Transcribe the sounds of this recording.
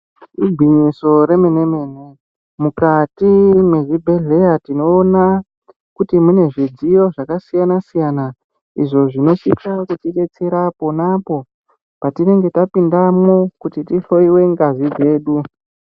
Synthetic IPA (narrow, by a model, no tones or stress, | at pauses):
iɡʱwiɲiso̞ɾe̞mene̞meːne̞ | mukatimweʐibʱe̞ɮe̞jatino̞ːna | kutimune̞ʐid͡zijo̞ʐakasijanasijana | ḭʐo̞ʐino̞sikakutiɗe̞t͡seɾaponapo̞ | patire̞ŋɡe̞tapindamokutitiɬo̞iwe̞ŋɡazid͡ze̞ːɗu